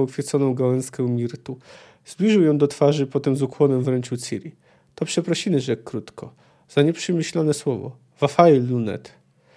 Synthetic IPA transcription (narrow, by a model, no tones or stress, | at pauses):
ɔkfʲɛt̪sɔnɔ̃w̃ɡawɛnskɛwmʲiɾt̪u | zblʲiʐɘwjɔ̃w̃d̪ɔt̪faʐɘpɔt̪ɛmzukwɔnɛmvɾɛɲt͡ɕut̪siɾʲi | t̪ɔpʂɛpɾɔɕimɘʐɛkːɾut̪kɔ | z̥aɲɛpʂɘmʲɘɕlanɛswɔvɔ̰ | vafailːunɛ̰t̪